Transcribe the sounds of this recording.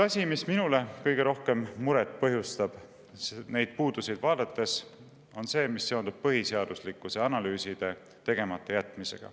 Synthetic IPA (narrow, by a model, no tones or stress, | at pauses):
ɑsʲimisminule̞kɤjɡe̞ɾo̞hke̞mːuɾet̪ːˑpɤɦjust̪ɑb̥ | sne̞jd̪̥̚puːd̪̥usijd̪̥vɑːd̪et̪ːˑe̞s | o̞nse̞ːmisːe̞ond̪ub̥̚pɤɦiseɑd̪uslikːˑuseɑnɑlyːsid̪̥e̞ | t̪e̞ɡ̥e̞mɑt̪ˑːejæt̪ːˑmise̞̰ɡ̥ɑ̰